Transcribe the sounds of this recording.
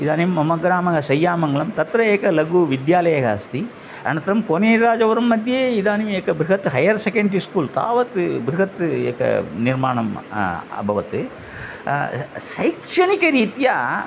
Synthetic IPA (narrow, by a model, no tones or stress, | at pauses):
id̪aːnimːɐmɐɡɾaːmɐɣɐsɛjːaːmɐŋɡɐɭɐmt̪ɐt̪ːɾɐeːkːɐlɐɡuːʋɪd̪jaːlɐjɐɣaːst̪i | ɐ̰nɐt̪ːɾɐmkoːneːɾɾaːd͡ʒɐʋɐɾɐmːɐd̪jeːid̪aːnimeːkːɐbɾɪɣɐt̪ːɦɐjɐɾsɛkɐɳɖiskuːlt̪a̰ːʋɐt̪ːbɾuɣɐt̪ːḛːkːɐ̰nɪɾmaːɳɐmɐ̰bʱɐʋɐt̪ːɯ | sɐɪkʂɐnikːɐɾiːt̪ijaː